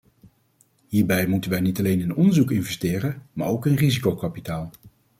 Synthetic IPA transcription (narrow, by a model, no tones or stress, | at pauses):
ɦiːɹbɛjmutənʋɛjnitɑlejnɪnɔndəɹzukɪnvɛstɪːɾənma̰ːɹowkənrizikowkapitaːlˠ